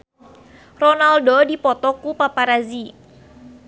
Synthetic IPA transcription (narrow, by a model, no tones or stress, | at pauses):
rɔnaldodipɔt̪ɔkupapaɾazi